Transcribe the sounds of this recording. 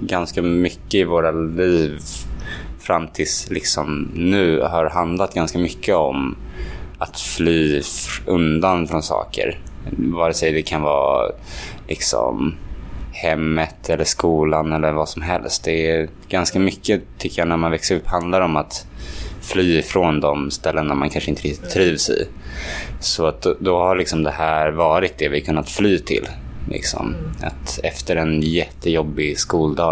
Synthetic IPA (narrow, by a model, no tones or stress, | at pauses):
ɡanskamʏkːəɪvoːɾaliːv | fɾamːt̪ʰɪlslɪksɔmnʉ̟ːhaɾɦand̪lat̪̚ɡanskamʏkʰːəɔm | at̪flyːɵnd̪anfɾɔnsɑ̰ːkə̰ɾvɑːɾəsɛjd̪ɛkʰanvɑ̰ː | lɪksɔ̰m | hɛmːət̪ʰɛlːəʂkuːlanɛlːəɾvasɔmɦɛ̰lst̪̚d̪ɛ | ɡ̥anskamʏkːət̪ʰʏkːəjɑːnæɾmanvɛksəɾɵpːhand̪laɾɔmat̪ | flyːɪfɾond̪ɔmst̪ɛlːənːaɾmankʰanʂəɪnt̪əɾɪk̚t̪ɪt̪ʰːɾiːvsɛ̰ | sɔat̪̚d̪d̪ɔhaɭɪksɔmd̪ɛhæːɾvɑːɾɪt̪̚d̪ɛvɪkʰɵnːat̪flyːt̪ʰɪ̰lːlʔɪ̰ksɔ̰ma̰t̪ɛft̪əɾɛnjɛt̪ʰːəjɔbːɪskuːld̪ɑː